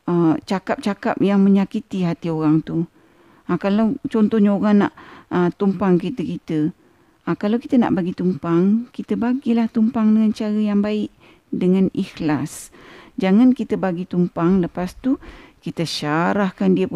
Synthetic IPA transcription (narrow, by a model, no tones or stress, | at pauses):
ət͡ʃakap̚t͡ʃakap̚jaŋməɲakit̪iɦat̪ioɾaŋt̪u | akalawt͡ʃɔnt̪ɔhɲaoɾaŋna̰ʔət̪umpaŋkit̪əkit̪ə | akalawkit̪əna̰ʔbaɡit̪umpaŋkit̪əbaɡilaht̪umpaŋdəŋant͡ʃaɾəjaŋbaɪʔ̚ | dəŋanixlasd͡ʒaŋankit̪əbaɡit̪umpaŋləpast̪ukit̪əʃaɾahkandiə